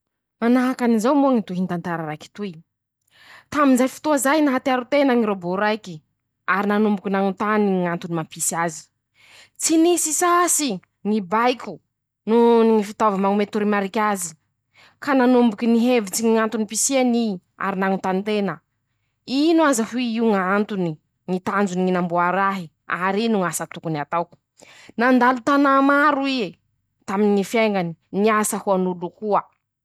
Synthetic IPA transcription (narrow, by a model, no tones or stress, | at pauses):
manaɦakanizawmuaŋit̪uɦint̪ant̪aɾaɾajki̥t̪uj | t̪aminzajfi̥t̪uazajnaɦat̪iaɾut̪enəŋiɾoboɾajki | aɾinanumbukʲinaŋut̪aniŋant̪unimapisiazi̥ | t͡sinisisasi | ŋibajkʲu | nuniŋifit̪aovamaŋumet̪uɾimaɾikʲazi | kananumbukiniɦevit͡siŋiŋant̪unipisiani | a̰ɾinaŋut̪ant̪enə | inuazahuiiuŋant̪uni | ŋit̪and͡zuniŋinambuaɾaɦi | aɾinuŋasat̪ukuniat̪awku̥ | nand̪alut̪anamaɾui | t̪aminiŋifjeŋɡaniniasahuanulukuə